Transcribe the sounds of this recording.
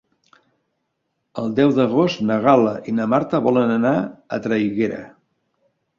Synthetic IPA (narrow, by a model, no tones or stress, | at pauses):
əlˠd̪ɛwd̪əɣost̪nəɣaləʔinəmaɾt̪əβɔlənənaə̰t̪ɾəiɣeɾə̰